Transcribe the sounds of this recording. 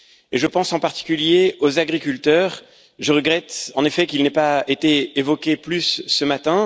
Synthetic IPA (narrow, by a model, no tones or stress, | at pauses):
eʒəpɑ̃sɑ̃paʁt̪i̥kʲyljeozaɡʁikʲylt̪œːʁ | ʒəʁəɡʁɛt̪ɑ̃nefɛkilnɛpaet̪eːvɔkʲeplysːəmat̪ɛ̃